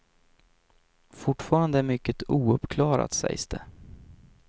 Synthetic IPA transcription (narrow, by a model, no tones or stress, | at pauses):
fʊʈfɑːɾand̪əæmʏkːət̪uːɵpkʰlɑːɾa̰t̪sɛ̰jsd̪̥ɛ